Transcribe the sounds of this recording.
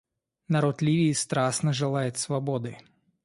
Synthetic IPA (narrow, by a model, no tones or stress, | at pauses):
nɐɾot̪lʲiʋʲiːst̪ɾasnɐʐɨlˠajɪt̪svɐbɔd̪ɨ